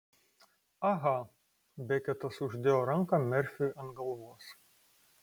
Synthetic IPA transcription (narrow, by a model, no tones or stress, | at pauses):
ɐɣɐ | bʲɛkʲɛt̪ɐsʊʒʲd̪ʲeːjoːɾɐŋkɐmʲɛɾʲfʲʊɐnɡɐlˠʋoɔs